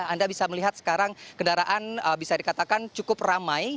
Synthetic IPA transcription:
andabisaməliɦat̪̚sə̥kaɾaŋkəndaɾaʔanəbisadikat̪akant͡ʃukʊp̚ramaj

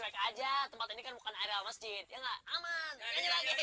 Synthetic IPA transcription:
kajkad͡ʒat̪əmpat̪inikanbukanaɾialmasd͡ʒɪt̪̚jaŋɡaʔamankaɲalaɡiak

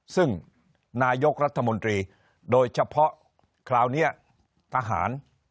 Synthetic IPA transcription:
sɨŋ | naːjok̚rə̆ət̪ʰːamont̪riː | ɗoːc̚t͡ɕapʰːɔʔ | kʰlaːwniəʔ | t̪ʰaːɦa̰ːn

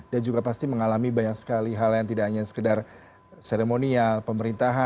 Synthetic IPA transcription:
dand͡ʒuɡapast̪iməŋalamibaɲaŋsə̥kaliɦaljaŋt̪idaʔaɲasə̥kədar | seɾemonialpəməɾint̪aɦa

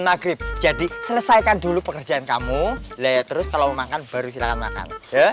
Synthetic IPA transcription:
nmaɡɾɪp̚d͡ʒadisələsajkandulupəkərd͡ʒaʔankamulat̪əɾʊskalaəmakanb̥aɾusilakanma̰ka̰nja

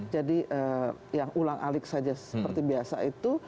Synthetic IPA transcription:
d͡ʒadiʔəjaŋulaŋʔa̰lɪk̚sad͡ʒasəpərt̪ibiasa̰it̪u

